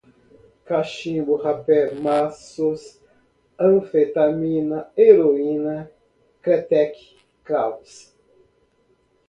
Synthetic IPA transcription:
kaʃĩbʊhapɛɾmasos | ɐ̃fet̪amĩnɐeɾoĩnɐ | kat̪ɛk | kaws

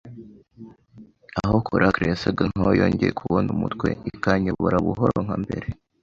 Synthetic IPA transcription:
aɦokʰoɾʔakɾeasaɡaŋ̥ojoːɲɟejekʰuβonumutkwe̞ikaɲoβoɾaβuɦoɾoŋ̥hambe̞̰ɾe

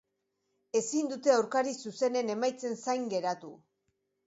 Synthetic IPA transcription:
e̞sind̪ut̪e̞awɾkaɾisuse̞ne̞ne̞majt͡se̞nsajŋɡe̞ɾat̪u

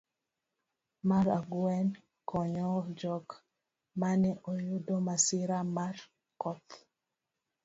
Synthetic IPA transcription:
maɾaɡuɛn | kʰɔɲɔd͡ʒɔk | manɛʔojudomasɪɾamar | kɔt̪

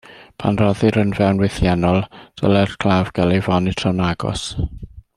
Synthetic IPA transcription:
pʰa̰nrɔðɨɾənvɛwnwɪθjɛnɔlˠd̥ə̰lˠɛr̥kʰlˠaːvɡ̥alˠivɔnɪtʰrɔnaɡɔ̰s

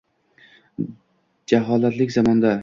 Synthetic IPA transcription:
d͡ʒaɦɒlat̪lɪkʲzɒmɒnd̪a

